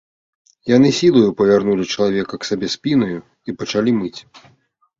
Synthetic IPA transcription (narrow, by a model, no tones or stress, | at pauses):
jan̪ɨsʲilˠɐjupɐvʲarnulʲit͡ʂɐlˠavʲɛkɐksabʲɛsʲpʲinɐju | ipɐt͡ʂalʲimɨt͡sʲ